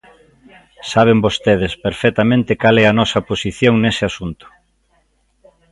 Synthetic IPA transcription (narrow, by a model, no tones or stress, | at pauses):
saβ̞embost̪eðespeɾfɛt̪amẽnt̪ɪkalɛɐnɔsɐposiθjoŋnesɪasunt̪ʊ̥